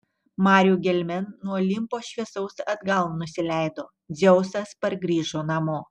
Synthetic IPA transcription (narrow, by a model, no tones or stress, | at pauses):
mɑːɾʲjuɡʲɛlʲmʲɛnːuɔlʲɪmpoːʃʲʋʲiɛsɐʊsɐd̪ɡɐlˠnʊsʲɪlʲæɪd̪oː | zʲɛʊsɐspɐɾɡɾʲiːʒoːnɐmoː